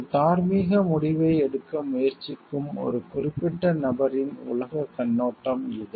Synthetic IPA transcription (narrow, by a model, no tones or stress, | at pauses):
t̪aːɾmiːɣɐmʊɽɪʋɐɪɛɽɯkːɐmʊjɐɾt͡ʃɪkːɯmɔ̰ɾɯkʊrɪpːɛʈːɐnɐbɐɾɪnʊ̰lɐɣɐkɐnːoːʈːɐmɪðɯ